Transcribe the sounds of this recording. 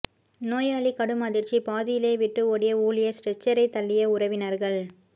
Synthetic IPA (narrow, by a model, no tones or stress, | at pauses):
noːjaːɭikɐɽɯmɐðɪɾt͡ʃipaːðɪjɪleːʋɪʈːɯɔɽɪjɐuːlɪjɐsʈɛt͡ʃːɐɾɐɪt̪ːɐɭːɪjɐʊɾɐʋɪnɐɾɣɐɭ